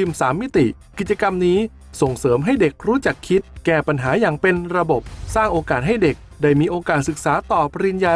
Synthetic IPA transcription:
i˧msaː˩˦mːi˦˥t̪i˨˩ki˨˩t̪̚t͡ɕa˧ka˧mniː˦˥ | so˨˩ŋsɤː˩˦mɦa˥˩jde˨˩k̚ɾuː˦˥t͡ɕa˨˩kʰːi˦˥t̪̚kɛː˨˩pa˧nɦaː˩˦jaː˨˩ŋpe˧nɾa˧bo˨˩p̚saː˥˩ŋʔoː˧kaː˨˩t̪̚ɦa˥˩jde˨˩k̚daː˥˩jmiː˧ʔoː˧kaː˨˩t̪̚sɯ˨˩k̚saː˩˦t̪ɔː˨˩pʰa˧ɾi˧njaː˧

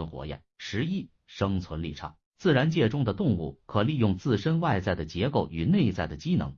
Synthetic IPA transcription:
ə˧˥nxwɔ̰˧˥jɛ̰˥˩˦nʂɻ̩˧˥i˥ | ʂɤ˥ŋt͡sʰwə˧˥nlḭ˥˩ʈ͡ʂʰɑ̰˨˩ŋ | t͡sɹ̩˥˩ɻa˧˥nt͡ɕjɛ˥˧ʈ͡ʂʊ˥ŋd̪ə˨t̪ʊ˥˧ŋṵ˥˩kʰɤ˨˩li˥˧jʊ˥˧ŋt͡sɹ̩˥˩ʂə˥nwa˥˧ɪt͡sa˥˩ɪd̪ə˩t͡ɕjɛ˧˥ko˥˩ʊʔy˨˩ne˥˧ɪt͡sa˥˩ɪd̪ə˩t͡ɕi˥nɤ̰˧˥ŋ

